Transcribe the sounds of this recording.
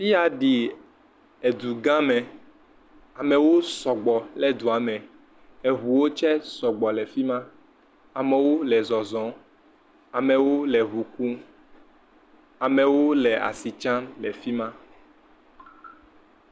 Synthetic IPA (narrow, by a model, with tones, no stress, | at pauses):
fi˦a˨ɖi˨ | ɛ˨d̪u˨ɡã˦mɛ̃˨ | a˨mɛ̃˨wo˦sɔ˨ɡ͡bɔ˨lɛ˦d̪u˨a˨mɛ̃˨ | ɛ˨ɦu˨wo˦t͡ʃɛ˦sɔ˨ɡ͡bɔ˨lɛ˨fi˦mã˦ | a˨mɛ˨wo˦lɛ˨zɔ˨zɔ̃˨˦ | a˨mɛ˨wo˦lɛ˨ɦu˨ku˦ | a˨mɛ̃˨wo˦lɛ˨a̰˨si˨t͡ʃã˦lɛ˨fi˦mã˦